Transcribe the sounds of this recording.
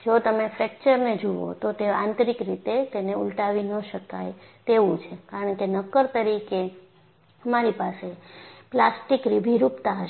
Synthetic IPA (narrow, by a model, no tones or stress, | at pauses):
d͡ʒot̪əmefɾɛk̚t͡ʃəɾned͡ʒuʋo̰t̪ot̪eãnt̪ɾikɾit̪et̪eneṵlʈaʋinəʃəka̰jt̪eʋũt͡ʃʰekaɾəɳkenəkəɾt̪əɾike | əmaɾipaseplasʈikɾibʱiɾupt̪aɦəʃ